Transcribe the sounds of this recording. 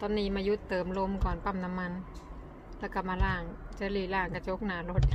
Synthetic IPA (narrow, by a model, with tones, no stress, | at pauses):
t̪ɔː˧nːiː˧˩˨maː˧ju˦˥t̪ːɤː˨˦mlo˧mkɔː˨˩npa˧˥˩mna˧mːa˧n | lɛ˦˥˩wka˧˩maː˧laː˧˩ŋt͡ɕaː˧liː˧˩laː˧˩ŋka˧˩t͡ɕʰo˧˦˥k̚naː˨˦lo˦˥t̪̚